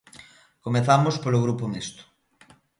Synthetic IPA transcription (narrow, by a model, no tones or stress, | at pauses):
komeθamospoloɣ̞ɾupomest̪ʊ̥